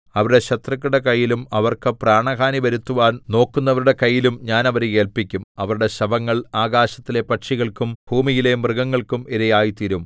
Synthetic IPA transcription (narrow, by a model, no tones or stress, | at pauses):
ɐʋɐɾuɽe̞ɕɐt̪rɐk̬ʲːuɽe̞kɐjːilumɐʋɐrkɨpraːɳɐɣaːniʋɐɾut̪ːuʋaːnno̞ːkːunːɐʋɐɾuɽe̞kɐjːilumɲaːnɐʋɐɾeke̞ːlpikʲːumɐʋɐɾuɽe̞ɕɐbɐŋːɐɭaːɡaːɕɐt̪ːilepɐʈʂiɣɐɭkumbʱuːmijilemrɨɡɐŋːɐɭkumiɾɐjaːjit̪iɾum